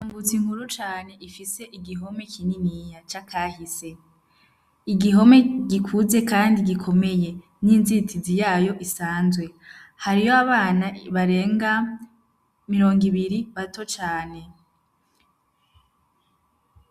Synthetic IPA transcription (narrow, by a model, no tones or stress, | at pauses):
aːŋɡut͡siŋhuɾut͡ʃaːne̞ʔifise̞ʔiɡiɦo̞me̞kʰininijat͡ʃakʰaːhise̞ | iɡiɦo̞me̞ɡikʰuze̞kaːndiɡikʰo̞me̞je̞ | ninzitizijaːjo̞ʔisaːnzɡwe̞haɾijo̞aβaːnaβaɾe̞ːŋɡa | miɾo̞ːŋɡiβiɾiβato̞t͡ʃaːne̞